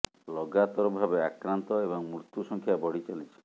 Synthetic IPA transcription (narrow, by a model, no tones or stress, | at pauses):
lɔɡat̪ɔɾɔbʱabeakɾant̪ɔebɔŋmɾut̪jusɔŋkʰjabɔɽit͡ʃalit͡ʃʰi̥